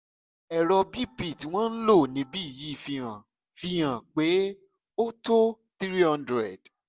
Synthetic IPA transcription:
ɛ˨ɾɔ˧bi˦pi˦˨ti˨˦w̃ɔ̃˦n̩˦lo˦˨nĩ˨˦bi˦i˦˨ji˨˦˨fi˧ɾ̃ã˨ | fi˧j̃ã˨k͡pe˨˦ | o˦to˦ | t̪i˦ɾi˦ã˧ndɾɛ˨d̥

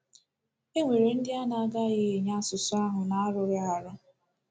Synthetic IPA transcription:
e˦ŋʷe˨ɾe˨n̩˦dɪ˦a˦na˨a˦ɡa˦ɣɪ˦e˨ɲa˦a˦sʊ˨sʊ˦a˦ɦʊ˨na˨a˦ɾʊ˨ɾɪ˦a˨ɾʊ˦

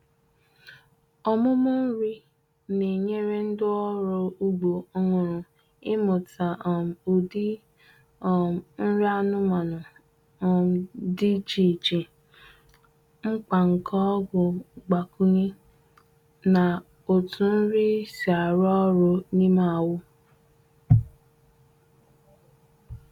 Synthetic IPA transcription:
ɔ˦mʊ˦mʊ˦n̩˦ɾi˦ | ne˨ɲe˦ɾe˦n̩˦dɪ˦ɔ˦ɾʊ˦u˦ɡ͡bo˨o˦ŋʊ˨ɾʊ˨ | ɪ˦mʊ˨ta˨u˨di˦˨ | n̩˦ɾi˦a˦nʊ˦ma˨nʊ˨ | di˦t͡ʃi˨t͡ʃi˨ | ŋ͡m̩˦k͡pa˨ŋ̩˨kʰɔ˦ɡʊ˨ɡ͡ba˨kʰu˦ɲi˦ | na˨ | o˨tʰu˨n̩˦ɾi˦si˨a˨ɾɔ˦ɾo˧nĩ˦ma˦˨wʊ˦

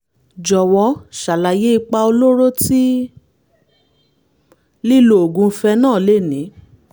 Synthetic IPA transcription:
d͡ʒɔ˨wɔ˨˦ʃa˨la˨je˦i˧k͡pa˧o˧lo˦ɾo˦ti˦ | li˦lo˨o˨ɡũ˨˧fɛ˧nãː˦˨le˦˨nĩ˨˦

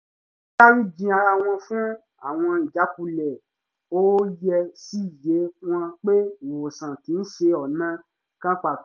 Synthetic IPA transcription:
a˦ɾĩ˦d͡ʒĩ˧˦a˧ɾa˧w̃ɔ̃˧fũ˦ | a̰˦˨w̃ɔ̃˧i˨d͡ʒa˨˦ku˧lɛ˨ | o˦jɛ˧si˦˨je˨˦w̃ɔ̃˧k͡pe˦˨wo˨sã˨tĩ˨˦n̩˦ʃe˧ɔ˨nã˦ | kã˦k͡pa˨

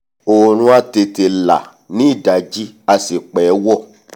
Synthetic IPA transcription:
o˨ɾ̃ũ˧˦a˧te˧te˧la̰˨ | nĩ˨˦i˦˨da˨d͡ʒi˦a˧si˨k͡pɛ˨˦wɔ˦˨

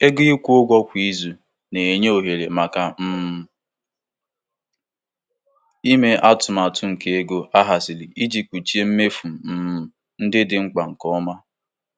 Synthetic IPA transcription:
e˦ɡɪ˦i˦kʷu˦ʊ˦ɡʷɔ˦kʷi˦i˦zu˨ | ne˨e˨ɲe˦o˨ɦe˨ɾe˨ma˨ka˨m̩˦˨ | i˦me˦ʔa˦tʊ˨ma˨tʊ˦ŋ̩˨ke˦e˦ɡo˦ʔa˦ɦa˨sɪ˨li˨i˦d͡ʒi˨k͡pu˨t͡ʃi˦e˦m̩˦me˦fu˨m̩˨˦˨ | n̩˦dɪ˦dɪ˨ŋ͡m̩˦k͡pa˨ŋ̩˨kɔ˦ma˦

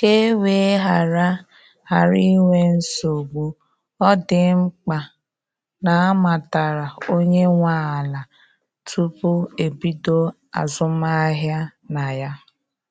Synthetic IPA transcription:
ke˦we˨˦ɦa˨ɾa˦ | ha˨ɾi˦ŋʷe˦n̩˦so˨ɡu˦ | ɔ˦dɪ˨ŋ͡m̩˦k͡pa˨ | na˨a˦ma˨ta˨ɾa˨o˦ɲe˦ŋʷa˦a˨la˨ | tʰu˦pʊ˦e˨bi˦do˦ | a̰˨zʊ˦ma˦ɦja˦na˨ja˦

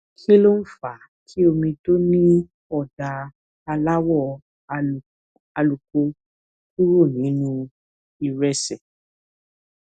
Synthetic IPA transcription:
kʰi˦lo˦n̩˦fa˨ | kʰi˦o˧mĩ˧to˦nĩ˦ | ɔ˦˨da˨ | a˧la˦wɔ˦˨ | a˧lu˨ko˧ | u˦ɾo˦˨nĩ˨˦nũ˧ | i˨ɾɛ˦sɛ˨

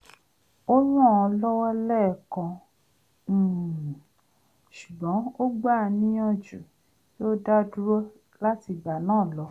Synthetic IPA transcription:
o˦ɾũ˦˨ɔ˧lɔ˦wɔ˦lɛ˦˨kɔ̃˨˧˦ | ʃu˨ɡ͡bɔ̃˨˦o˦ɡ͡ba˦˨˧nĩ˦ɔ̃˦d͡ʒu˨ | jo˦da˦du˦ɾɔ˦ | la˦ti˧ɡ͡ba˨nãː˦˨lɔ˧˦

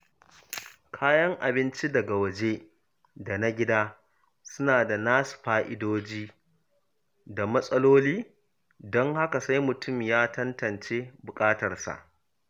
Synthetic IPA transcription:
kʰaː˦jɐ˦ŋʔa˨bɪ˦nt͡ʃi˦dɐ˨ɡa˨wɐ˨d͡ʒe˦ | da˨na˦ɡʲɪ˦daː˦ | sʊ˦naː˨da˨naː˦su̥˨ɸaː˦ʔɪ˦doː˦d͡ʒiː˦ | da˨mɐ˦sʼɐ˦loː˦liː˦ | dɔ˦ŋha˦ka˨sa˦jmʊ˨tʊ˦˨mjaː˦tɐ˦ntɐ˨nt͡ʃeː˦bʊ˨kʼaː˦tɐ˨rsa̰˨ʔ

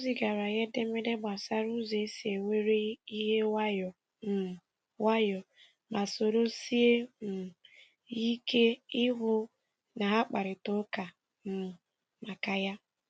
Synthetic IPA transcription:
u˦zi˨ɡa˨ɾa˨ɣe˦de˦me˦de˦ɡ͡ba˨sa˦ɾu˦ze˨˦si˨e˨wʷe˦ɾe˦i˦ɦe˦wa˦jɔ˨ | m̩˨ | wa˦jɔ˨ | ma˨so˨ɾo˦si˦e˦m̩˨ | i˦ke˦ɪ˦ɦʊ˦ | na˨ɦa˦k͡pa˨ɾɪ˨to˦ka˨ | m̩˨ | ma˨ka˨ja˦

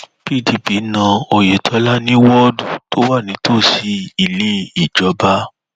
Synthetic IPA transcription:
pi˦˨ti˧pi˨˦nã˧o˨je˨tʰɔ˧la˦nĩ˦wɔ˦du˨tʰo˦wa˦˨nĩ˨˦tʰo˦˨si˧˦i˧lĩ˦i˨d͡ʒɔ˨˧ba˦

